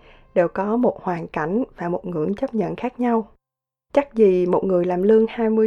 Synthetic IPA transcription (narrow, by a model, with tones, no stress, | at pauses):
ɗe˨˩wkɔ˨˦mo˨˩t̚hwaː˨˩nka˧˩jŋ̟vaː˨˩mo˨˩t̚ŋɨ̰˧˩˥əŋt͡ɕə˦˥p̚ɲə̰˧˨nxaː˦˥k̚ɲa˧w | t͡ɕa˦˥k̚zi˨˩mo˨˩t̚ŋɨ˨˩əjlaː˨˩mlɨ˧əŋhaː˧jmɨ˧ə